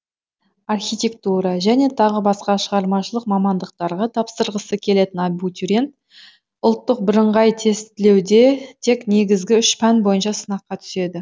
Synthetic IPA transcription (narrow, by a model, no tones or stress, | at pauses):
arχʲijt̪ʲe̞k̚t̪uɾɑʒæne̞t̪ʰɑʁəbɑsqɑʃəʁɑɾmɑʃəlˠəqmɑmɑnd̪əqt̪ɑɾʁɑt̪ʰɑpsəɾʁəsəkʲʰe̞le̞t̪ɪnɑjbut̪ʰʲyɾʲent̪ | ʊlˠt̪ːəq̚bɪɾəɴʁɑjt̪ʰe̞st̪ɪle̞wd̪e̞t̪ʰe̞kne̞ɡʲɪzɡʲɪʏʃpʰænbo̞jənʃɑsənɑqːɑt̪ʰʏ̥se̞d̪ɪ